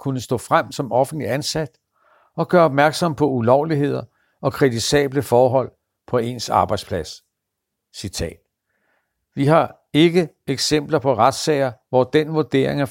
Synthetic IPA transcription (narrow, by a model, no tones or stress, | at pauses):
kʰunəsd̥ɔ̰̽ːfʁam̰sɒ̽mɒ̽fn̩d̥liænsæd̥ | ɒ̽ɡ̥ɶːɐɒ̽b̥̚mæɐɡ̥sɒ̽mpʰɒ̽ulɒʊliɦe̝ð̞̰ˠɐ | ɒ̽kʰʁɛd̥isɛ̰ːb̥ləfɒːɦɒ̽l̰ | pʰɒ̽e̝nsɑ̈ːb̥ɑ̈ɪd̥spʰlæs | sit͡sʰɛ̰ːd̥ | ʋiɦɑ̈ | e̝ɡ̥ə | eɡ̥sem̰b̥lɐpʰɒ̽ʁad̥sɛ̰ɪɐʋɒd̥enʋoɐd̥e̝̰ːɐ̰e̝ŋæ